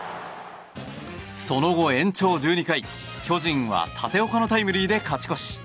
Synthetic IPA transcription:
so̞no̞ɡo̞ẽ̞ɲ̟t͡ɕo̞ːd͡ʑɨːɲ̟ikai | çʲo̞ʑĩɰ̃βa̰t̪ʰat̪e̞o̞kano̞t̪aimɯ̟ɾʲiːd̪e̞kat͡ɕi̥ko̞ɕi̥

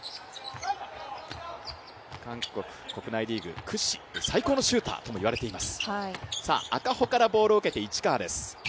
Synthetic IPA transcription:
kãŋkokɯ̟̥ko̞kɯ̟naiɾʲiːɡɯ̟̰kʰɯ̟ɕi̥esaiko̞ːno̞ɕɨːt̪a̰ːt̪o̞mo̞iβaɾe̞t̪e̞imasɨ̥haisa̰ːakaho̞kaɾabo̞ːɾoɯ̟ke̞t̪e̞it͡ɕi̥kaːd̪e̞sɨ̥

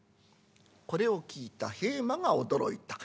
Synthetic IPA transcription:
ko̞ɾe̞o̞kʲiːt̪ahe̞ːmaɡao̞d̪o̞ɾo̞̰it̪ḁ

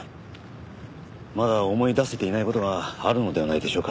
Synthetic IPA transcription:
mad̪ao̞mo̞id̪ase̞t̪e̞inaiko̞t̪o̞ɡaːɾɯ̟no̞d̪e̞anaid̪e̞ɕo̞ːka

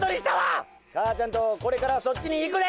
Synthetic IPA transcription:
t̪oɾiɕi̥t̪aʋa | kʰaːt͡ɕant̪okoɾekaɾasot͡ɕːiniːkɯd̪e

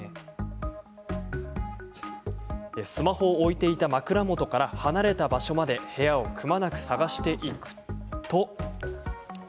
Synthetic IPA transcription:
esɨmaho̞ːit̪e̞it̪amakɯ̟ɾamo̞t̪o̞kaɾahanaɾe̞t̪abaɕo̞mad̪e̞he̞jao̞kɯ̟manakɯ̟̥saɡaɕi̥t̪e̞ʔikɯ̟̥t̪o̞

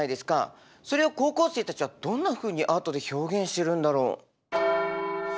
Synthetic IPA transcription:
aid̪e̞sɨ̥ka̰ | so̞ɾe̞oko̞ːko̞ːse̞ːt̪at͡ɕiβad̪̥õ̞nːaɸɯ̟ːɲ̟iʔaːt̪o̞d̪e̞ço̞ːɡẽ̞ɰ̃ɕi̥t̪e̞ɾɯ̟̃nd̪aɾo̞̰ː

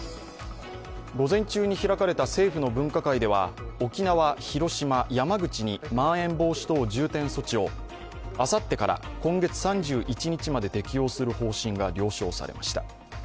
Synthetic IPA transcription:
ɡo̞zẽ̞ɲt͡ɕɨːɲ̟içiɾakaɾe̞t̪ase̞ːɸɯ̟no̞bɯ̟̃ŋkakaid̪e̞βao̞kʲinaβaçiɾo̞ɕimajamaɡɯ̟t͡ɕiɲ̟imãɰ̃ẽ̞mbo̞ːɕi̥t̪o̞ːd͡ʑɨːt̪ẽɰ̃so̞t͡ɕio̞ | asat̪ːe̞kaɾa̰kõ̞ŋɡe̞t͡sɨ̥sãɲd͡ʑɨːʔit͡ɕiɲ̟it͡ɕimad̪e̞t̪e̞kʲijo̞ːsɨɾɯ̟ho̞ːɕĩŋɡaɾʲo̞ːɕo̞ːsa̰ɾe̞̰ma̰ɕi̥t̪a

